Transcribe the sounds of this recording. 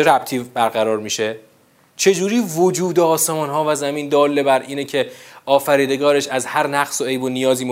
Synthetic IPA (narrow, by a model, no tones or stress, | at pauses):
eɾæb̚t̪ʰiːbæɾɣæɾɒːɾmiːʃe | t͡ʃʰe̞d͡ʒuːɾiːvod͡ʒuːd̪eɒːsemɒːnɦɒːvæzæmiːnd̪ɒːlːebæɾʔiːnecʰe̞ɒːfæɾiːd̪e̞ɡɒːɾe̞ʃæzhæɾnæɣsoejbonijɒːziːm